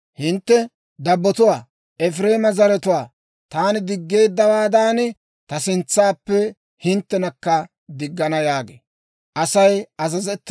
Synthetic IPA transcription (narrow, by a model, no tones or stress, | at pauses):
hɪnt̪ːɛ | d̪ɐbːɔt̪ʊwaː | ʔɛfɾe̞ːmɐzɐɾɛt̪ʊwaː | t̪aːnɪd̪ɪɡːe̞ːd̪ːɐwaːd̪aːnɪ | t̪ɐsɪnt͡sːaːpːɛ | hɪnt̪ːɛnɐkːɐ | d̪ɪɡːɐnɐjaːɡḛː | ʔɐsɐjɐzɐzɛt̪ː